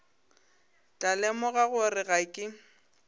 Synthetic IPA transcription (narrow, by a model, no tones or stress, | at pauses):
t͡ɬʼalɛmɔɣaɣʊrɪɣakʼɪ